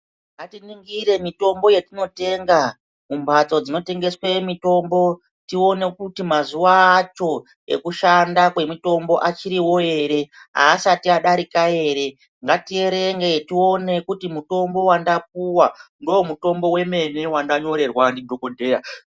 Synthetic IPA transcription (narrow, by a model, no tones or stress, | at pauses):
ŋɡatiniŋɡiɾe̞mito̞mbo̞jetino̞te̞ŋɡa | mumbat͡so̞d͡zino̞te̞ŋɡe̞swe̞mito̞mbo̞ | tio̞ne̞kutimazuʋaːt͡ʃo̞ | ḛkuʃandakwe̞mito̞mbo̞ʔat͡ʃiɾiwo̞e̞ɾe̞ɦa̰ːsatiaɗaɾikae̞ːɾe̞ | ŋɡatie̞ɾe̞ŋɡe̞tio̞ne̞kutimuto̞mbo̞wandap̚uwandoːmuto̞mbo̞we̞me̞ne̞wandaɲo̞ɾe̞rwandidʱo̞kode̞ːɾa